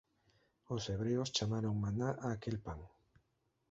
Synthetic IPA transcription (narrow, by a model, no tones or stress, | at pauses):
oseβɾeost͡ʃamaɾoŋmanaʔaːkelpaŋ